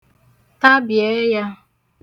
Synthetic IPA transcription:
ta˦bje˦ja˦

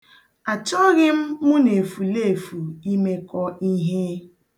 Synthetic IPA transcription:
a˨t͡ʃɔ˦ɣɪ˦m̩˦mʊ˦ne˨fu˨le˦˨fu˨i˦me˦kɔ˦i˦ɦe˦

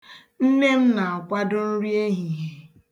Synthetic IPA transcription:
m̩˦me˦m̩˦na˨a˨kʷa˦dʊ˦n̩˦ɾi˦e˦ɦi˨ɦe˨

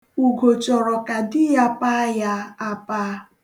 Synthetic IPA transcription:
u˨ɡo˨t͡ʃɔ˨ɾɔ˨ka˨dɪ˦ja˦pa˦ja˦a˦pa˦

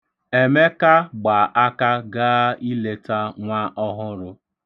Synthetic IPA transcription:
e˨me˦ka˦ɡ͡ba˨ʔa˦ka˦ɡa˦i˦le˦ta˦ŋʷa˦ʔɔ˦ɦʊ˦ɾʊ˦

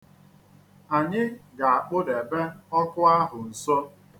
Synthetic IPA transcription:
a˨ɲɪ˦ɡa˨a˨k͡pʊ˦de˨be˦ɔ˦kʊ˦a˦ɦʊ˨n̩˨sɔ˦

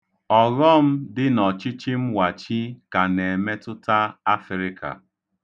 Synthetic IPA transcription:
ɔ˨ɣɔ˦m̩˦dɪ˦nɔ˨t͡ʃi˦t͡ʃi˦m̩˦wa˨t͡ʃi˦ka˨ne˨me˦tʊ˦ta˦a˦fɾɪ˦kʰa̰˨

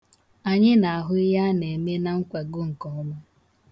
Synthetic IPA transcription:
a˨ɲɪ˦na˨a˨ɦʊ˦ɪ˦ɦa˦ne˨me˦na˨ŋ̩˦kʷe˨ɡʊ˦ŋ̩˨kɔ˨ɔ˦ma˦

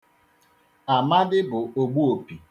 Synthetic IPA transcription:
a˨ma˦dɪ˦bʊ˨o˨ɡ͡bu˦o˨pi˨

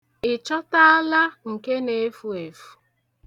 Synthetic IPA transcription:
ɪ˨t͡ʃɔ˦ta˦a˦la˦ŋ̩˨ke˦ne˦fu˨e˨fu̥˨˦

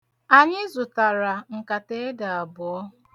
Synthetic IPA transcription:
a˨ɲɪ˦zʊ˨ta˨ɾa˨ŋ̩˨ka˨te˦e˦da˨a˨bʊ˨ɔ˦

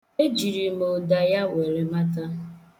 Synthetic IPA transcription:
e˦d͡ʒi˨ɾi˨m˨o˨da˨ja˦we˨ɾe˨ma˦ta˦

